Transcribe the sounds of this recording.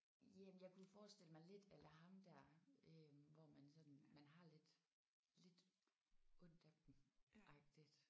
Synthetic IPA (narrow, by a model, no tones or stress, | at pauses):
jæmnjɑ̈ɪkʰuofɒːsd̥e̝l̰əmɑ̈ɪle̝d̥elɐɦɑ̈md̥æɐ̰øʋɒmænsɒ̽d̥n̩mænɦɑ̈le̝d̥ | le̝d̥ | ɔn̰d̥æ̥d̥n̩ʔɑ̈ɡ̥̚d̥id̥